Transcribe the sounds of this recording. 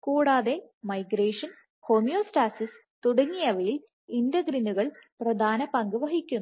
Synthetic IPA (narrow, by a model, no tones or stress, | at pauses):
kuːɽaːðe̞mɐjɡɾeːʂɐn | ho̞mijoːsʈaːsis | t̪uɽɐŋːijɐʋɐjil | indɐɡɾinuɣɐɭprɐd̪ʱaːnɐpɐŋɡɨʋɐɦikʲːum